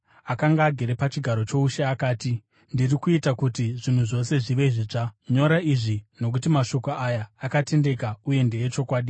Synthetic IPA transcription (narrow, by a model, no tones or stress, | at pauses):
akaŋɡaːɡʱe̞ɾe̞pat͡ʃiɡʱaɾo̞t͡ʃo̞uʃeakaːti | ndirikuitakutiʐin̤uʐo̞se̞ʐiʋe̞ʐit͡ʂaɲo̞ɾaiʐino̞k̬utimaʃo̞koajaːkate̞nde̞kauje̞ndejet͡ʃo̞kwaːɗi